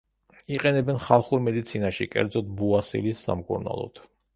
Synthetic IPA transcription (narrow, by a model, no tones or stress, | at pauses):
iqʼɛnɛbɛnχalˠχuɾmɛd̪it̪sʰinaʃikʼɛ̰ɾd̪zɔt̪̚ʰbuasḭlisːa̰mkʼṵɾna̰lˠɔ̰t̪ʰ